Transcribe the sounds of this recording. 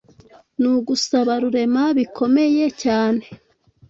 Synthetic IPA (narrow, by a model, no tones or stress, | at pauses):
nuɡusaβaɾuɾe̞maβikʰo̞me̞je̞caːne̞